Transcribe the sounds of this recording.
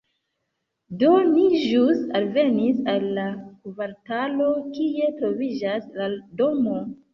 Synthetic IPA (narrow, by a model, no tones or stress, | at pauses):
do̞niʒusalve̞nisalːakuvaɾtalo̞kie̞tɾo̞vid͡ʒasladomo